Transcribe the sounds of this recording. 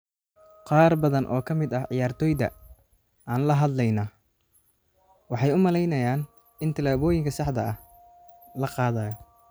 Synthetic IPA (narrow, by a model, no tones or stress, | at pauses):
qɑːrbɐðɐnʔɔ̰ːkʰɐmɪd̪ɐhʕɪjaːrt̪ʰɔːjd̪ɐ̰ | aːnlɐɦɐd̪lɛjnaː | wɑħɑjʊmɐlɛjnɐjaːn | ɪnt̪ʰɐlaːβɔːjɪŋkʰɐsɑħd̪ɐ̰ɐh | lɐqɑːðaːjɔ